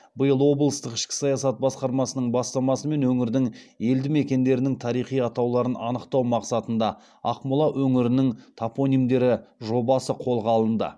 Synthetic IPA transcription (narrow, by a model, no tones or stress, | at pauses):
bəjəlˠwo̞blˠəst̪əqɪ̥ʃkʲɪ̥sɑjɑsɑt̪̚bɑsqɑɾmɑsənəɴbɑst̪ɑmɑsəme̞nwɵŋɪɾd̪ɪŋe̞ld̪ɪme̞kʲe̞nd̪e̞ɾɪnɪŋt̪ʰɑɾijχijɑt̪ɑwlˠɑɾənɑ̰nəqt̪ɑwmɑqsɑt̪ənd̪ɑ | ɑqmʊlˠɑʔɵŋɪɾɪnɪŋt̪ʰapo̞nijmd̪e̞ɾɪʒo̞bɑsəqʰo̞lˠʁɑlˠənd̪ə̰